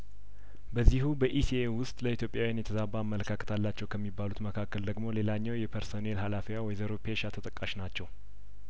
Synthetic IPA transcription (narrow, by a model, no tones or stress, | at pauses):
bəzːihubəʔisiewʊst̪ʼləit̪ʰjo̞pʼːjawjanjɛt̪ʰəzabaːmːələkʰakʰə̥t̪ʰalːat͡ʃːɛwkʰəmːibːalut̪məkʰakːəld̪əɡmo̞le̞laɲːawjɛpʰəɾsonelhalafiwawɔjzəɾopʰeʃat̪ʰət̪ʼəkʼːaʃnat͡ʃːɛw